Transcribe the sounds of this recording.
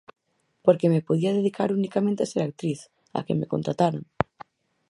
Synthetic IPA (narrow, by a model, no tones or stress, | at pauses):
poɾkemepoðiaðeðikaɾunikamẽnt̪easeɾak̚t̪ɾiθ | a̰kḛmekont̪ɾat̪aɾa̰ŋ